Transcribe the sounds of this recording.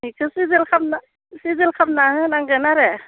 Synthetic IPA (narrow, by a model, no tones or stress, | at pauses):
ɦikʰɯsizilkʰap̚na | sizelkʰap̚naɦɯnaŋɡɯnaɾɛ